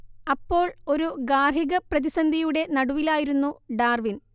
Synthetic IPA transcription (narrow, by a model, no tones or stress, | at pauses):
ɐpːo̞ːɭo̞ɾuɡaːɦiɣɐprɐðisɐnd̪ʱijuɽe̞nɐɽuʋilaːjiɾunːuɖaːrʋin